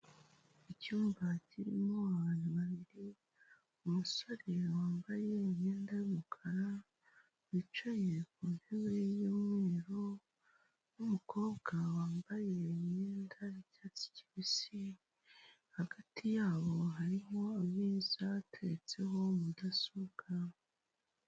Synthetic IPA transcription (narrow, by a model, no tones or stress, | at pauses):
icuːmbaciɾimoaanaβaβiɾi | umusoɾewaːmbaje̞mɲeːndajumukʰaɾa | βit͡ʃojekuːnheβe̞joːmŋe̞ːɾo̞ | numuko̞ːβɡawaːmbaje̞ɲeːndaicaːt͡si̥ci̥βisi | haɡatʰijaːβo̞ɦaɾiɦo̞aβjiːzatʰet͡se̞ɦo̞mudasuɡa